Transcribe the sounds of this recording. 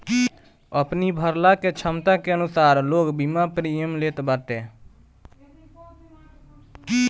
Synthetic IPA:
əpnibʱəɾlaket͡ʃʰəmt̪akeənʊsaːɾloːɡbimapɾijəmleːt̪bat̪e

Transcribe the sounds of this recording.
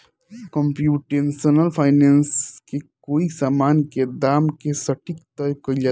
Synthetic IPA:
kɔ̃mpjuːʈensonəlpʰaːɪneːnskekoːisaːmaːnked̪aːmkesɐʈikt̪ɔjkəd͡ʒa

